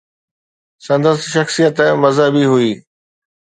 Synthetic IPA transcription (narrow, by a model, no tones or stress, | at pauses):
sɐ̃nd̪əst̪ʃɐxsijət̪mɐzəbiɦuiː